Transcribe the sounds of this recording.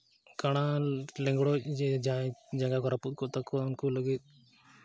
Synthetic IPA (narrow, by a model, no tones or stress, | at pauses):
kaɽ̃alɛ̃ŋɡɽɔd͡ʒɛd͡ʒãd͡ʒaŋɡakɔɾaput̪̚kɔt̪akɔʊnkuləɡit̪̚